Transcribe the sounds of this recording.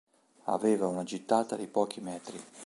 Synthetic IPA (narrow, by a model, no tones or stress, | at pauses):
a̰veːvaunad͡ʒit̪ːaːt̪ad̪ipɔːk̟ʰimɛːt̪ɾi